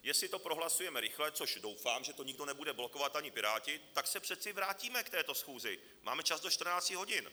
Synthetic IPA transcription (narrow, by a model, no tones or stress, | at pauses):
jɛsɪt̪o̞pɾo̞ɦlasujɛmɛɾɪxlɛt͡so̞ʃdo̞wfaːmʒɛt̪o̞ɲɪɡ̚do̞nɛbudɛblo̞ko̞vat̪ʔaɲɪpɪɾaːcɪt̪aksɛpr̝̥ɛt̪t͡sɪvɾaːciːmɛkt̪ɛːt̪o̞sxuːzɪ | mʔa̰ːmɛt͡ʃazdo̞ʃt͡ʃt̪r̩naːt͡scɪɦo̞ɟɪn